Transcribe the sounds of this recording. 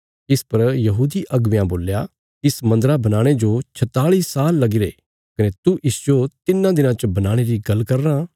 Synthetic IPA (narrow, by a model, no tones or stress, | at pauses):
ɪspɐɾjɐɦuːd̪iʔɐɡʋjãboːlja | ɪsmɐ̃nd̪ɾabɐnaːɽ̃ed͡ʒot͡ʃʰɐt̪aːɭiːsaːlːɐɡɪɾeː | kɐnet̪uʔɪsd͡ʒot̪ɪnːãd̪ɪnãt͡ʃbɐnaːɽ̃eɾiɡɐlkɐɾnãː